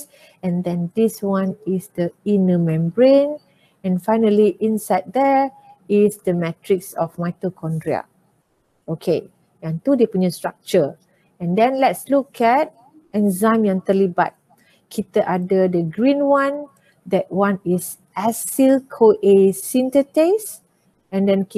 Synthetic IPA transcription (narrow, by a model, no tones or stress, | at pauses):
s | ɛ̃ndɛ̃ndiswãnisdəinəmɛ̃mbɹẽn | ɛ̃nfajnəliʔĩnsaɪd̚dɛ | isdəmɛtɹiksɔfmajkəlkʰɔ̃ndɹia̰ | okʰe | jãntudeputɲustɹak̚t͡ʃə | ɛ̃ndɛ̃nlɛtslukʰɛt̚ | ɛ̃nzãmjãnt̪əlibat̚ | kʰitəʔadədəɡɹĩnwãn | dɛt̚wãnis | ʔɛsilkʰoʔesĩntətes | ɛ̃ndɛ̃n